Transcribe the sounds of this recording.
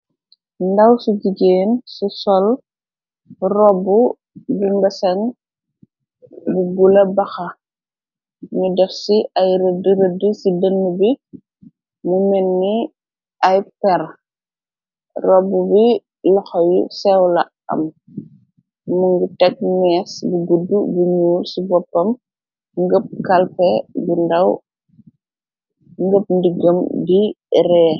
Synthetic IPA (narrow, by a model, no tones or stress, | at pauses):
ndɐwsuɟiɟeːnsusɔl | rɔbːu | bumbɐsɐŋ | buɡulɐbɐxɐ | ɲudɛfsiɐjɾədiɾədisidənːubi | mumɛnːi | ɐjpɛɾ | rɔbːubi | lɐxɔjṵsɛwlɐ | ɐ̰m | muŋɡutɛk̚mɛːsbuɡudːubuɲuːlsibɔpːɐm | ŋɡəp̚kɐlpɛbindɐw | ŋɡəp̚ndiɡəmdi | rɛː